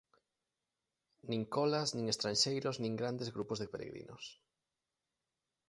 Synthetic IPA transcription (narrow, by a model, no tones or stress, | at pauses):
nĩŋkɔlaznĩŋest̪ɾanʃejɾoznĩŋɡɾand̪ezɣɾupozðepeɾḛɣɾḭnʔo̰s